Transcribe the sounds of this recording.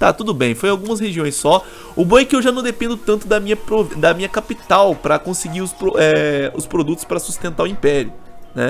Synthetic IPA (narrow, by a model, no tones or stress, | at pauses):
t̪a̰t̪ud̪ʊbẽj̃foj̃awɡũmɐsheʒiõj̃ssɔ | ʊbõɛkɪewʒanɐ̃w̃d̪epẽnd̪ʊt̪ɐ̃nt̪ʊd̪ɐmĩɲɐpɾovd̪ɐmĩɲɐkapit̪awpɾɐkõsɪɡiɾʊspɾoʔɛʊspɾod̪ut̪ʊ̥spɾɐsu̥st̪ẽnt̪aʊĩpɛɾiʊnɛ